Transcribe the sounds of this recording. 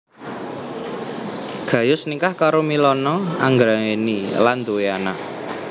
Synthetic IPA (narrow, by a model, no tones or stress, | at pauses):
ɡ̥ä̤jʊsnikahkaɾomilɔnɔaŋɡɾaŋeniland̪uweana